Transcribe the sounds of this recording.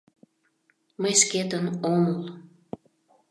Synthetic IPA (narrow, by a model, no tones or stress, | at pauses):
məjʃket̪ənoməl